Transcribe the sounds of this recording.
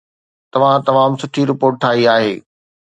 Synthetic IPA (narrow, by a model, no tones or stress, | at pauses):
t̪ɐʋ̤ãt̪ɐʋaːmsʊʈʰiɾɪpoːɾʈ̚ʈʰaːiaːɦeː